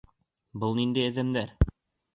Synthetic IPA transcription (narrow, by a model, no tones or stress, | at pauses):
bɤlˠnind̪æjɘ̆ðɘ̆md̪æɾ